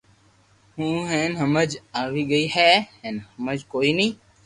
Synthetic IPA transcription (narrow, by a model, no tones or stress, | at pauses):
hũːɦɛ̃ːnɦəməd͡ʒaːʋiːɡəiːɦɛːɦɛ̃ːnhəməd͡ʒkoːiːnĩː